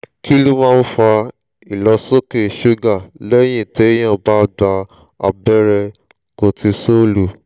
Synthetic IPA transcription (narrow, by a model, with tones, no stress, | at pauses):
ki˦lo˦mãː˦˧n̩˦fa˧ | i˨lɔ˧so˦ke˦˨ʃu˦ɡa˦˨lɛ˦j̃ĩ˦˨te˨˦j̃ã˦˨ba˦ɡ͡ba˧ | a̰˧bɛ˦ɾɛ˧ | ko˧˨ti˧so˦˨lu˨